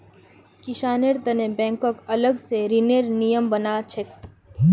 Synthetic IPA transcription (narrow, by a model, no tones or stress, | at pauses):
kɪʃaːneɾd̪ənebɛ̃ːŋkɔkɐləɡseɾineɾnijəmbɐnaːt͡ʃʰek